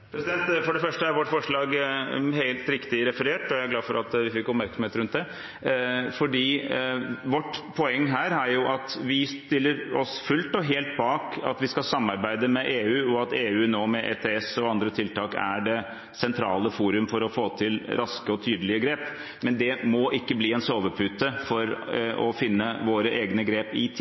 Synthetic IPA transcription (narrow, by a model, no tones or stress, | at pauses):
pʰɾɛsɪd̪ɛnt̪fɔɖɛfœʂʈəæɾʋɔʈːfɔʂɭɑːɡɦeɪlt̪ɾɪkt̪ɪɾɛfəɾeːʈɔææɾɡlɑːfɔɾɑt̪ʋɪfɪkːɔpmæɾksɔm̩eːt̪ɾʉnt̪̚d̪ɛ | fɔɖiː | ʋɔʈpʰɔɛŋːɦæːɾæɾjʊʔɑt̪ʋɪst̪ɪlːəɾɔsfʉlt̪ɔɦeːlt̪̚bɑːkɑ̰t̪ʋɪskɑsɑmːɑɾbæɪd̪əmɛʔeːʉːɔɑt̪eːʉːnoːmɛʔɛ̰t̪ʰeːɛsɔɑnd̪ɾət̪ʰɪlt̪ɑːkæ̰ɖɛ | sɛnt̪ʰɾɑːləfuːɾʉmfɔɾɔfoːt̪ʰɪlɾʔɑskəɔt̪ʰyːd̪əlɪəɡɾeːp | mɛnd̪ɛmɔʔɪkːəbliːɛnsoːʋəpʰʉt̪əfɔɾʔɔ̰fɪnːəʋoːɾəʔeːɡnəɡɾeːpɪt̪ʰ